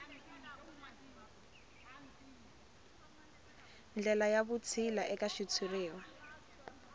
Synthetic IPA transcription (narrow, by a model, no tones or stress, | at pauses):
nd͡ɮɛlajaβʊt͡sʰilaʔɛkaʃit͡sʰureːɔ